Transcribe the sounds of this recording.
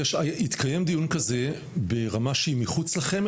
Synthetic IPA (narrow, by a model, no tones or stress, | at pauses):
ʃaait̪kajemd̪ijunkaze̞ | be̞ʁamaʃeimiχut͡slaχe̞m